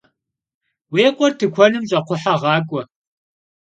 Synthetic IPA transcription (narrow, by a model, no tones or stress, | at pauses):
weːqʷʼɔrtʰɨkʷʰɔnɨmɕʼɐqʷʊħaʁɑːkʷʼɔ